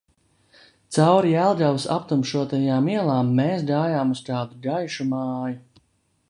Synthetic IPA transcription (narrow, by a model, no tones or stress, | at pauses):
t̪sawɾiælˠɡawsa̰pt̪umʃuɔt̪ajaːmiɛlˠaːmːeːsɡaːjaːmust̪aːd̪uɡajʃumaːju